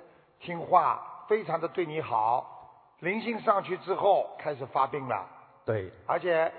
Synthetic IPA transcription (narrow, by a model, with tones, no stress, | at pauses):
t̪ʰi˥ŋxwa̰˥˩fe˥ɪʈ͡ʂʰɑ˧˥ŋd̪ə˧t̪we˥˩ɪni˧˥xɑ˨˩˦ʊ | li˧˥ŋɕi˥ŋʂɑ˥˧ŋt͡ɕʰy˥ʈ͡ʂɻ̩˥xo˥˩ʊkʰa˥ɪʂɻ̩˨˩fa˥pi˥˩ŋlə̰˩t̪we˥˩ɪə̰˞˧˥t͡ɕʰjɛ˨˧˥